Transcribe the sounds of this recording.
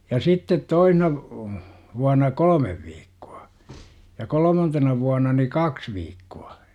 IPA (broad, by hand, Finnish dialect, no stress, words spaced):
jɑ sitːet toihnɑ ʋuɑnɑ kolə̆meʋ ʋiːkːu̥ɑ̥ jɑ kolə̆mɑntenɑ ʋuɑnɑ ni kɑks ʋiːkːuɑ